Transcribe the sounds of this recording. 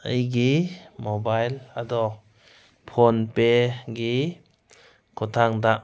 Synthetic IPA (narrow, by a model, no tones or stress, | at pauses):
əjɡimɔbajladɔ | pʰonpeɡi | kʰɔt̪ʰaŋdaʔ